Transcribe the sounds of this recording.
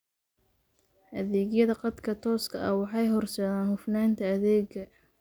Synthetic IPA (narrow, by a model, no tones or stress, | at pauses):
ʔɐðɛːɡjɐðɐqɑd̪kʰɐt̪ʰɔːskʰɐʔɐwɑħɑjɦɔrsɐðaːnhʊfnaːnt̪ʰɐːðɛːɡɐ